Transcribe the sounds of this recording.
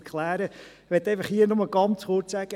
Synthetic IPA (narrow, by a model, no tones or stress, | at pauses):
kʰlæːɾə | ʋɛt̪ːɛjfəχhiːəɾnoməlɡɑnt͡shʊːɾtsæɡ̥ə